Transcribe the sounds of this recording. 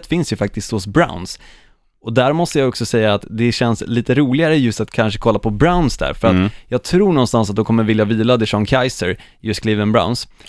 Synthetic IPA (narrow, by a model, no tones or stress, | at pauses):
t̪fɪnsjɵfak̚t̪ɪskt̪hʊsbɾa̰ʊns | ɔd̪æɾmɔst̪əjaɔksɔsɛjːaːt̪d̪ɛɕɛnsliːt̪əɾuːlɪɡaɾəjɵst̪at̪kʰanʂə̥kʰɔlːapʰɔbɾaʊnsd̪æ̰ːɾfœɾat̪jɑːɡ̚t̪ʰɾuːɳɔnst̪ans̬at̪̚d̪ɔkʰɔmːəɾvɪljaviːlad̪ɛʂɔŋkʰajsəɾ | jɵskʰliːvənbɾa̰ʊns